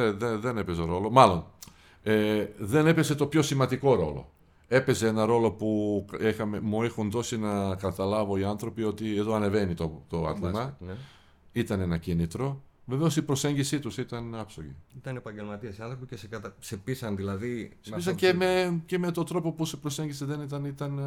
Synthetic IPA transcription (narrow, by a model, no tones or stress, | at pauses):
eðeðe̞ne̞pezeɾo̞lo̞mɐlo̞n | eðene̞pese̞t̪o̞pço̞simɐnd̪iko̞ɾo̞̰lo̞̰ | e̞pe̞ze̞enɐɾo̞lo̞puexɐmemuexunðo̞sinɐkɐt̪ɐlɐvo̞iɐnθɾo̞pio̞t̪ie̞ðo̞ɐne̞ve̞nit̪ot̪oɐ̰t̪imɐ | it̪ɐne̞nɐcinit̪ɾo̞ | ve̞ve̞osipɾo̞se̞ɲɟisit̪usit̪ɐnɐpsoʝḭit̪ɐnepɐɲɟelmɐt̪iesiɐnθɾopicesekɐt̪ɐsepisɐnðilɐðisis̬ɐemece̞me̞t̪o̞t̪ɾo̞po̞pusepɾose̞ɲɟiseðe̞nit̪ɐnit̪ɐn